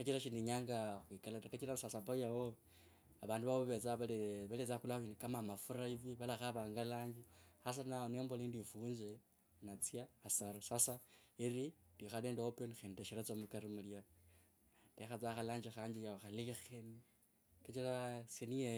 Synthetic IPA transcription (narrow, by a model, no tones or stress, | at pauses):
kat͡ʃiɾaʃindiɲaːŋɡaxwikalatakat͡ʃiɾasasapajawo | aβaːnduβaβoβet͡saβaleβalet͡saxulainkamamafuɾaiviβalaxaβaːŋɡalaːɲd͡ʒixas̬anaonembolindifuːnze | nat͡sijaːsaɾasasaeɾidixaleːndeopenxendeʃiɾat͡somukaɾimulja | dexat͡saxalaːɲd͡ʒixaːɲd͡ʒijaoxalixeni | kat͡ʃiɾasenie